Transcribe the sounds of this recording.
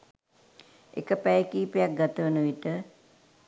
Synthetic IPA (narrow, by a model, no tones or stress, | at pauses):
ḛkəpæjəkiːpejak̚ɡat̪əʋənəʋiʈə